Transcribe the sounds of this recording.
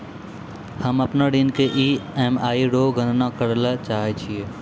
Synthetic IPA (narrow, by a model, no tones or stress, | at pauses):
hɐmɐpnaɖinkeʔiːeːmaːiɖoːɡə̃nnakəɽlat͡ʃaːɦet͡ʃʰieː